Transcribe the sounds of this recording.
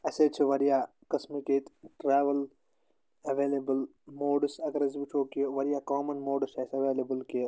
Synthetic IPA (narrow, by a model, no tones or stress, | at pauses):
ɐset͡ʃʰiʋɐɾijaː | kɐsmiket̪ʈɾeːʋɐl | ɐʋeːlebəl | moːɖsɐɡɐɾɐs̬bit͡ʃʰoːkiʋɐɾjaːkaːmɐnmoːɖseːsɐʋeːlebəlkeː